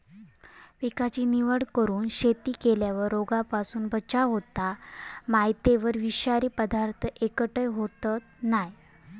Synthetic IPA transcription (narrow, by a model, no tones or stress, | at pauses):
ʋikat͡ɕiːniʋəɽkəɾuːnɕet̪iːkeljaʋəɾːoɡapasuːnbət͡ɕaɦot̪amaɦjt̪eʋəɾʋiɕaɾiːpəd̪aɾt̪ʰəʔekəʈəjɦot̪ət̪naj